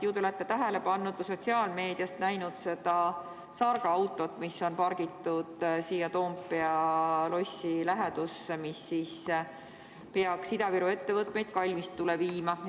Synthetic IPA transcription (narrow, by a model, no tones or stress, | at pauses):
juːd̪ulæt̪ːˑet̪æɦæle̞pɑnːud̪̥̚kuso̞t̪ʲsiɑːlme̞ːd̪̥ijɑst̪næjnud̪̥se̞d̪̥ɑ | sɑrɡ̥ɑɑwt̪ːˑo̞t̪ːˑmisːo̞npɑɾɡ̥it̪ːud̪̥siːjɑt̪o̞ːmpːˑeɑlo̞silæɦed̪̥usemisːis | peɑksid̪ɑviɾue̞t̪ːe̞vɤt̪me̞jd̪̥̚kɑlʲmist̪ːuleviːmɑ